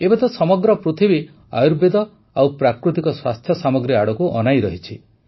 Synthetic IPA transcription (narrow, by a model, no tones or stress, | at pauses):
ebet̪ɔsɔmɔɡɾɔpɾot̪ʰibi | a̰juɾbed̪ɔ | awpɾakɾut̪ikɔswa̰st̪ʰjɔsamɔɡɾiaɽɔkuʔɔ̰najɾɔɦit͡ʃʰi